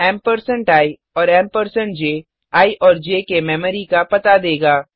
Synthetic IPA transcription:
ɛːmpəɾsə̃ɳʈaːi | ɔːɾɛ̃ːmpəɾsə̃ɳʈd͡ʒeː | aːiʔɔːɾd͡ʒeːkemɛːməɾikapɐt̪ad̪eːɡaː

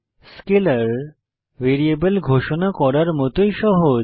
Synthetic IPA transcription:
skeləɾ | ʋeɾiebəlɡʱoʃonakɔɾaɾmɔt̪ojʃɔɦo

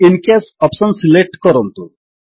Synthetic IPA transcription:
inkesɔpsɔnsilek̚ʈkɔɾɔnt̪u

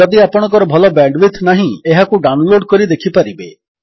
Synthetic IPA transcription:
ɔd̪iapɔɽ̃ɔ̃ŋkɔɾɔbʱɔlɔbɛɳɖʋit̪ʰnaɦĩeɦakuɖawnloɖkɔɾid̪ekʰipaɾibe

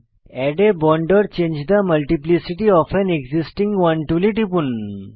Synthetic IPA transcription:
ɛɖebɔɳɖəɾt͡ɕẽɲd͡ʑd̪aməlʈiplisiʈiɔfɛneɡzisʈĩŋɡʋãɳʈuliʈipun

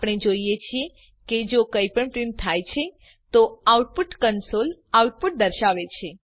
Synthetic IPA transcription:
pəɽ̃ed͡ʒoijet͡ʃʰie | ked͡ʒokəipəɳpɾimt̪ʰajt͡ʃʰe | t̪oauʈ̚puʈkənsolauʈ̚puʈ̚d̪əɾʃaʋet͡ʃʰe

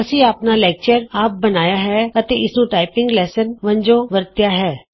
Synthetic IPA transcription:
ɐsiaːpnalɛːk̚t͡ʃəɾaːp̚bɐnaːjaɦɛɐt̪eɪsnũʈaːɪpɪ̃ŋɡlɛːsənʋɐ̃ɲd͡ʒõʋəɾt̪jaɦɛː

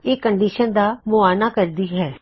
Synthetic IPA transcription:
eːkəɳɖiːʃənd̪aːmʊaːnaːkəɾd̪iːɦɛː

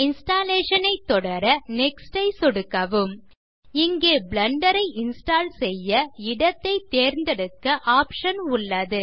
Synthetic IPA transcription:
ɪnsʈaːleːʂɐnɐɪt̪ːɔɽɐɾɐnɛksʈɐɪsɔɽɯkːɐʋɯm | ɪŋɡeːblɐɳɖɐɾɐɪʔɪnsʈaːlsɛjːɐɪɽɐt̪ːɐɪt̪ːeːɾnd̪ɛɽɯkːɐʔaːpʂɐnʊɭːɐðɯ

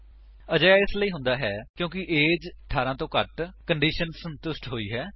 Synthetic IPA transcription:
əd͡ʒaːjaːɪsləiːɦʊ̃nd̪aːɦɛːkjõːk̬ɪʔeːd͡ʒəʈʰaːɾãːt̪õːkəʈkəɳɖiːʃənsənt̪ʊsʈɦoːḭːɦɛː

